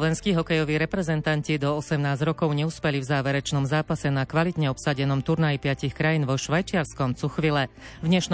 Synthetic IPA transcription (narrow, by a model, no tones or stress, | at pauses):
ʋɛnskiːɦɔkɛjɔʋiːɾɛpɾɛzɛnt̪ancid̪ɔɔsɛmnaːzɾɔkɔʊɲɛuspɛlivzaːʋɛɾɛt͡ʃnɔmzaːpasɛnakʋalit̪ɲɛɔpsaɟɛnɔmt̪uɾnajipɪacixkɾajiːnʋɔʃʋajt͡ʃɪaɾskɔmt͡suxʋilɛvd̪ɲɛʃn